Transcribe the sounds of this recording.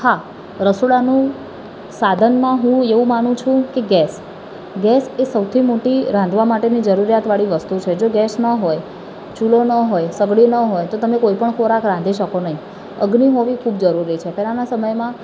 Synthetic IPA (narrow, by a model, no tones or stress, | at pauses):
ha | ɾəsoɽanũ | sad̪ʱənmãɦũeʋũmanũt͡ʃʰũkeɡɛs | ɡɛsesəwt̪ʰimoʈiɾãnd̪ʱʋamaʈenid͡ʒəɾuɾjat̪ʋaɭiʋəst̪ut͡ʃʰed͡ʒoɡɛsnəɦoj | t͡ʃulonəɦojsəɡɽinəɦojt̪ot̪əmekoipəɳkʰoɾakɾãnd̪ʱiʃəkonəɦĩ | ə̰ɡniɦoʋikʰub̚d͡ʒəɾuɾit͡ʃʰep̪ɛlanasəməjmã